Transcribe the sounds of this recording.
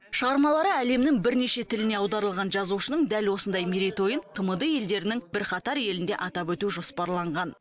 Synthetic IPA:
ʃəʁɑɾmɑlˠɑɾəæle̞mnɪŋbɪɾne̞ʃe̞t̪ʰɪlɪne̞ɑwd̪ɑɾəlˠʁɑnʒɑzuʃənəɴd̪ælwo̞sənd̪ɑjmeɾijt̪o̞jənt̪ʰəməd̪əje̞ld̪e̞ɾɪnɪŋbɪɾqɑt̪ɑɾje̞lɪnd̪e̞̰ʔɑt̪ɑpwɵt̪uʒo̞spɑɾlˠɑɴʁɑn

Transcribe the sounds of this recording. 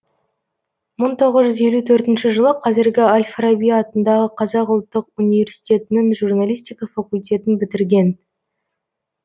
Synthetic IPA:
məɴt̪ʰo̞ʁəzʒʏze̞lut̪ʰɵɾt̪ɪnʃɪʒəlˠəqʰɑzɪɾɡʲɪalʲfrabijɑt̪ənd̪ɑʁəqʰɑzɑqʊlˠt̪ːəqunive̞ɾsit̪ʲe̞t̪ɪnɪŋʒurnalʲijst̪ijkafakulʲt̪ʲe̞t̪ɪnbɪt̪ɪɾɡʲe̞n

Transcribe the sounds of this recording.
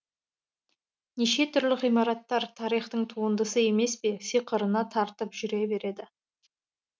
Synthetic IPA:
neʃe̞t̪ʰʏɾlɪqijmɑɾɑt̪ːɑɾt̪ʰɑɾijχt̪əɴt̪ʰuənd̪əsəe̞me̞spe̞sijqəɾənɑt̪ʰɑɾt̪əpʒ̥ʏɾe̞be̞ɾe̞d̪ɪ

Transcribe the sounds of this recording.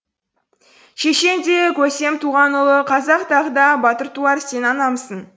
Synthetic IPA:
ʃeʃe̞nd̪ekʲʰɵse̞mt̪ʰuʁɑnʊlˠəqʰɑzɑqt̪ɑʁəd̪ɑbɑt̪əɾt̪uɑɾse̞nɑnɑməsən

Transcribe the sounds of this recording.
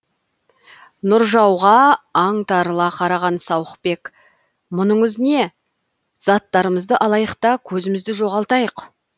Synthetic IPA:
nʊɾʒɑwʁɑɑɴt̪ɑɾəlˠɑqʰɑɾɑʁɑnsɑwəq̚be̞k | mʊnəɴʏzne̞ | zɑt̪ːɑɾəməzd̪əʔɑlˠɑjəqt̪ɑkʲʰɵzɪmɪzd̪ɪʒo̞ʁɑlˠt̪ɑjəq

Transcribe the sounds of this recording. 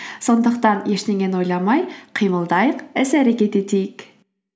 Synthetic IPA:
so̞nd̪əqt̪ɑnjeʃneŋenojlˠɑmɑjqʰijməlˠd̪ɑjəqezæɾekʲet̪et̪ejɪk

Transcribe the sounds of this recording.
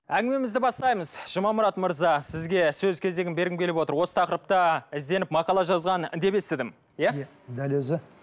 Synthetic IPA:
æŋɡʲɪme̞mɪzd̪ɪbɑst̪ɑjməzʒ̥əmɑmʊɾɑt̪məɾzɑsɪzɡʲe̞sɵzkʲʰe̞zd̪e̞ɡʲɪnbe̞ɾɡɪmkʰʲe̞lɪpwo̞t̪əɾwo̞sə̥t̪ɑqəɾəp̚t̪əɪzd̪e̞nɪpmɑqɑlˠɑʒɑzʁɑnɪ̰nd̪e̞be̞st̪ɪd̪ɪm | jæ | d̪ælezɪ

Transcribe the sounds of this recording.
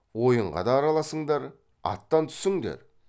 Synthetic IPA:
wo̞jəɴʁɑ̰d̪ɑːɾɑlˠɑsəɴd̪ɑɾ | ɑ̰t̪ːɑnt̪ʰʏ̥sɪŋd̪ḛɾ

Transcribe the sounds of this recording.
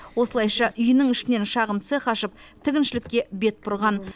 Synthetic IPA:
wo̞səlˠɑjʃɑʔʏjɪnɪŋɪʃɪne̞nʃɑʁəmt̪seqɑʃəp̚t̪ʰɪɡʲɪnʃɪlɪkʲːe̞be̞t̪̚pʰʊɾʁɑn

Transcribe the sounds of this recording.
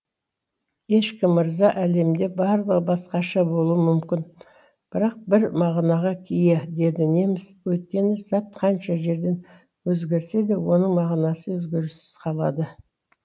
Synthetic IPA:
je̞ʃkʲɪmːəɾzɑʔæle̞md̪e̞bɑɾlˠəʁəbɑsqɑʃɑbo̞lˠuəmʏmkʲɪn | b̥ɪɾɑq̚bɪɾmɑʁnɑʁɑkʲʰijed̪e̞d̪ɪne̞mɪzwɵjt̪̚kʲe̞nɪzɑt̪qʰɑnʃɑʒe̞ɾd̪e̞n | wɵzɡʲe̞ɾse̞d̪ewo̞nəɴmɑʁnɑsəwɵzɡʲe̞ɾɪsɪ̥z̥qʰɑlˠɑd̪ə

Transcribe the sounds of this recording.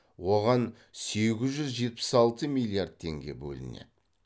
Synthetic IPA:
woʁɑn | se̞ɡʲɪzʒʏzʒe̞t̪̚pɪ̥sɑlˠt̪əmilʲˠiard̪̚t̪ʰe̞ŋɡʲe̞bɵ̰lɪnḛ

